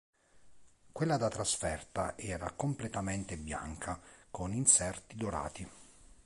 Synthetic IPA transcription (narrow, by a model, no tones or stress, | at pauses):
kwelːad̪at̪ɾasfɛrt̪aʔɛːɾa̰komplɛt̪ament̪ebja̰ŋkʰakoninsɛrt̪id̪oɾa̰ːt̪i